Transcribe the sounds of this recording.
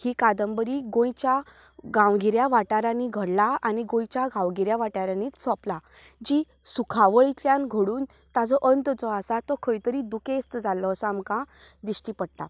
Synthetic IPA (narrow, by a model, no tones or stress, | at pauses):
hiːkad̪əmbəɾiːɡõjt͡ɕa | ɡãwɡʱiɾjaʋaʈaɾãniɡʱəɽlaaniɡõjt͡ɕaɡãwɡʱiɾjaʋaʈaɾaniːt͡ssɔpla | d͡ʑi | sukʰaʋəɭit̪jãnɡʱəɽuːn | t̪ad͡zɔʔənt̪d͡zɔasat̪ɔkʰəjt̪əɾid̪ukest̪əd͡zalːɔːsɔamkã | d̪iɕʈipəɽt̪a